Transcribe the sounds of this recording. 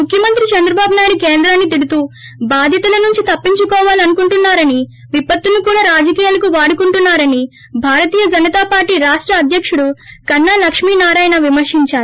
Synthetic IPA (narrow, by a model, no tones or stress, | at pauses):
mukʰjɐmɐnt̪ɾit͡ʃɐnd̪ɾɐbaːbunaːjiɽukeːnd̪ɾaːnːit̪̬iɽut̪uː | baːd̪ʱjɐt̪ɐlɐnuɲt͡ʃit̪ɐpːiɲt͡ʃukɔːʋaːliɐnukuɳʈunːaːɾɐni | ʋipːɐt̪ːunukuːɽaːɾaːd͡ʒɐkiːjaːlɐkuʋaːɽukuɳʈunːaːɾɐni | bʱaːɾɐt̪iːjɐd͡ʒɐnːɐt̪aːpaːɾʈːiːɾaːʂʈɾɐːd̪ʱjɐkʂuɽukɐnːaːlɐkʂmiːnaːɾaːjɐnɐʋimɐɾʂiɲt͡ʃaːɾi